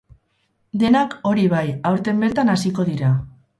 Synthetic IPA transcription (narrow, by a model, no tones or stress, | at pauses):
d̪e̞nako̞ɾiβajawɾt̪e̞mbe̞ɾt̪anasiko̞ðiɾa